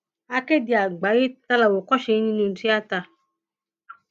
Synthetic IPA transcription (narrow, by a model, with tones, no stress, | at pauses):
a˨ke˦di˨a˨ɡ͡ba˨˦ɣi˦t̪a˦la˨wo˨kɔ˦ʃe˧˦ɲĩ˦nũ˨n̩˨ti˦a˦t̪a˧